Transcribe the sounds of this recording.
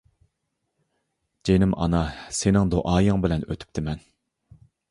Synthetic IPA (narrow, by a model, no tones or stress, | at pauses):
d͡ʒenɪmɑ̰nɑsenɪŋd̪oʔɑːjɨŋbɪlɛnøt̪ʰy̥p̚t̪ʰɪmɛn